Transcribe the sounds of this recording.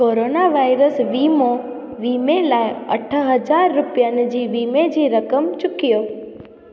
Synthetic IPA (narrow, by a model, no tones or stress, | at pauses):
koɾonaʋaiɾəsʋimõ | ʋimelajə̰ʈʰəɦəd͡ʒaɾːupjaned͡ʒiʋimed͡ʒiɾəkəmt͡ʃʊkijo